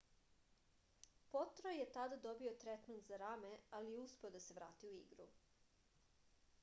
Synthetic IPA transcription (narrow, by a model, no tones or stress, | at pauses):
pot̪ɾojjet̪ad̪ad̪o̞bio̞t̪ɾet̪mant̪zaɾamealijeuspe̞od̪aseʋɾaːt̪iuḭɡɾṵ